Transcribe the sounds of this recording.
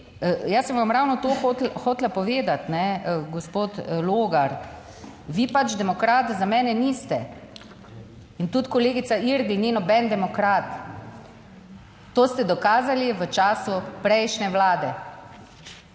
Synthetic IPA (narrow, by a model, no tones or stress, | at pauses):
jasə̃mʋamɾawnɔt̪oːxot̪lxoːt̪lapɔʋeːd̪at̪nɛɡɔspoːt̪loːɡaɾ | ʋiːpat͡ʃd̪ɛmɔkɾaːt̪zamɛːnɛniːst̪ɛ | int̪ut̪kɔleːɡit̪saiɾd̪ininɔbɛnd̪ɛmɔkɾaːt̪ | oːst̪ɛd̪ɔkaːzaliʋət͡ʃaːsupɾɛjʃnɛʋlaːd̪ɛ